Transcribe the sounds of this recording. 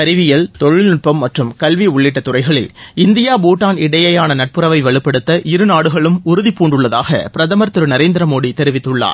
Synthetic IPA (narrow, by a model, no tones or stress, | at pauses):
ɐɾɪʋɪjɐlt̪ɔɻɪlnɪʈ̚pɐmːɐʈrɯmkɐlʋiʊɭːɪʈːɐt̪ːʊrɐɪɣɐɭɪ̰lɪnd̪ɪjaːbuːʈːaːnɪɽɐjɐjaːnɐnɐʈ̚pɯɾɐʋɐɪʋɐɭɪpːɐɽɯt̪ːɐʔɪɾɯnaːɽɯɣɐɭɯmʊɾɯðipːuːɳɖɯɭːɐða̰ːɣɐ̰pɪɾɐðɐmɐɾt̪ɯɾɯnɐɾeːnd̪ɪɾɐmoːɽit̪ːɛɾɪʋɪt̪ːɯɭːa̰ːɾ